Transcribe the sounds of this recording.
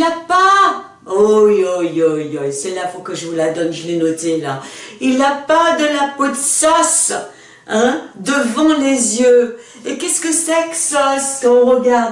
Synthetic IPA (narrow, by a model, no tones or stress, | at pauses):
ilapa | ojojojojsɛlafokəʒəvulad̪ɔnʒəlɛnɔt̪elailapad̪əlapot̪sɔs | ɛ̃d̪əvɑ̃lezjø | ekʲɛskəsɛksɔskɑ̃ɔ̃ʁəɡaʁd̪